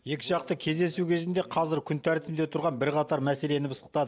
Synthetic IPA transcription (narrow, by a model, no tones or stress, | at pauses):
je̞kʲɪʒɑqt̪əkʲʰe̞zd̪e̞sukʲʰe̞zɪnd̪e̞qʰɑzɪɾkʲʰʏnt̪ʰæɾt̪ɪmd̪e̞t̪ʰʊɾʁɑnbɪɾqɑt̪ɑɾmæse̞le̞nɪbəsə̥q̚t̪ɑd̪ə